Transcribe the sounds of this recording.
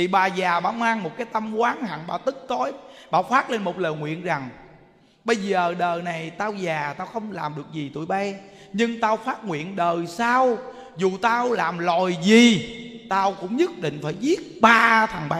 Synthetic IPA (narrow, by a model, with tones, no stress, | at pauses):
t̪ʰi˨˩ɓaː˨˩zaː˨˩ɓa̰ː˧˩maː˧ŋmo˨˩t̚kaː˨˦jt̪aə˧mkwaː˨˦nha̰ː˧˨nɓaː˨˩t̪ɨ˦˥k̚t̪o˨˦jɓa̰ː˧˩faː˦˥t̚le˧nmo˨˩t̚ləː˨˩jŋwḭ˧˨ənza˨˩ŋ | ɓə˧jzəː˨˩ɗəː˨˩na˨˩jt̪aː˧wzaː˨˩t̪aː˧wxə˧wŋ͡mlaː˨˩mɗɨ˨˩ək̚zi˨˩t̪ṵ˧˩əjɓa˧ | ɲɨ˧ŋt̪aː˧wfaː˦˥t̚ŋwḭ˧˨ənɗəː˨˩saː˧w | zu˨˩t̪aː˧wlaː˨˩mlɔ˨˩jzi˨˩t̪aː˧wkʊ̰˧˥ŋ͡mɲə˦˥t̚ɗḭ̈˧˨ŋ̟faː˧˩jzi˦˥ət̚ɓaː˧t̪ʰa˨˩ŋɓa˧˦